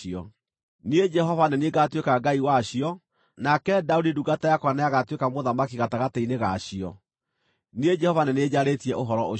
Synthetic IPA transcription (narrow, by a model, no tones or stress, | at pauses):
ɔ | ned͡ʒɛɦɔvanɛneɡatwekaɡaiwaɕijɔ | nakɛdaodiduɡatajakwanajaɣatwekamoðamakiɣataɣataineɣaɕiɔ̰ | nied͡ʒɛhɔvanɛned͡ʑaɾetiɛʔoɦɔɾɔo